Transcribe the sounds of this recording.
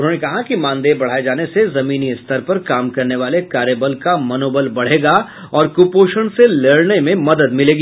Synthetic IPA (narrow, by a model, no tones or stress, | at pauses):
ʊnɦoːnekɐɦakimãːnd̪ebɐɽ̤aːed͡ʒaːnesezɐmiːniɪst̪ʰəɾpɐɾkaːmkɐɾneʋaːlekaːɾjebəlkamɐnoːbəlbɐɽ̤eːɡa | ɔːɾkʊpoːʃəɽ̃seleːɭnemẽmɐd̪əd̪mɪleːɡi